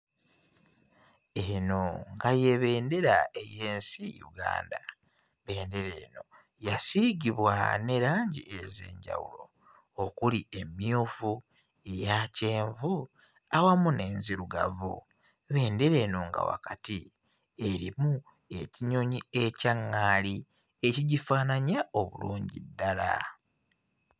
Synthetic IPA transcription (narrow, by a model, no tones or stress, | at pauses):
eno̞ŋɡaje̞βe̞ːnde̞ɾa̰eje̞ːnsijṵɡa̰ːnda | βe̞ːnde̞ɾe̞ːno̞ | jasiɡiβwa̰ne̞ɾaːɲɟiʔezḛːɲɟa̰wṵlo̞̰ | okuliemjofu | e̞jaceːɱvu | awamune̞ːnziɾuɡa̰vṵ | βe̞ːnde̞ɾe̞ːnoŋɡa̰wa̰kati | eɾimu | e̞ciɲo̞ɲiecaŋːali | eciɟifaːnaɲaoβṵlṵːɲɟḭdːala̰